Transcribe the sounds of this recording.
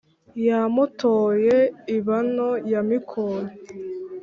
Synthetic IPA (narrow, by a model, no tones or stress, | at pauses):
jamutʰoːjeiβanojamikʰoje